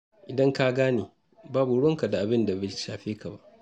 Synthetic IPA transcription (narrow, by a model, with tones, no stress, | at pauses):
ʔɪ˨dɐ˦ŋka˦ɡaː˦neː˨ | baː˦bu˨ɽɔ˦ŋka˨da˨ʔa˨bɪ˦nda˨bɐ˦˨˦ʃaː˨ɸeː˦ka˨ba̰˦ʔ